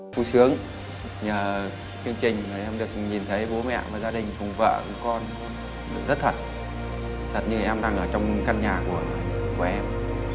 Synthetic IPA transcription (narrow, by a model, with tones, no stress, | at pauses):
fu˧˩sɨ˨˦əŋ | ɲaː˨˩ | t͡ɕi˧ŋ̟t͡ɕï˨˩ŋ̟ː˨˩ʔɛ˧mɗɨ˨˩ək̚ɲi˨˩nt̪ʰə˨˦jɓo˨˦mɛ̰˧˨vaː˨˩zaː˧ɗï˨˩ŋ̟fʊ˨˩ŋ͡mvə̰ː˧˨˧kɔ˧n | zə˦˥t̚t̪ʰə˨˩t̚ | t̪ʰə˨˩t̚ɲɨ˧ʔɛ˧mɗa˧ŋʔəː˧˩t͡ɕɔ˧wŋ͡mka˧nɲaː˨˩ku˧˩əku˧˩əʔɛ˧m